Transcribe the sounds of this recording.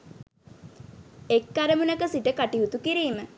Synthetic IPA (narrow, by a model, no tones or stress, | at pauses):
ekːaɾəmunəkəsiʈəkaʈiɦut̪ukiɾiːmə